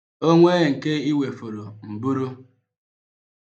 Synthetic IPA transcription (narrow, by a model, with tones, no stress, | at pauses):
o˦ŋʷe˦ŋ̩˨ke˦i˦we˨fo˨ɾo˨m̩˨bu˦ɾu˦